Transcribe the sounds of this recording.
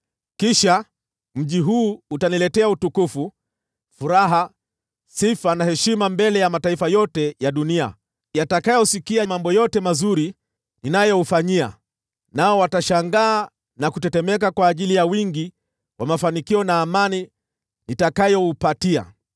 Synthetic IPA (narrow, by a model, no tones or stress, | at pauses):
kiʃa | m̩ʄiɦuːutanilɛtɛautukufu | fuɾaɦa | sifanahɛʃimambɛlɛjamataifajɔtɛjaɗunia̰ | jatakajɔsikiamambɔjɔtɛmazuɾi | ninajɔufaɲia̰ | naɔwataʃaŋɡaː | nakutɛtɛmɛkakwaːʄilijawiŋɡi | wamafanikiɔnaːmani | nitakajɔupatia̰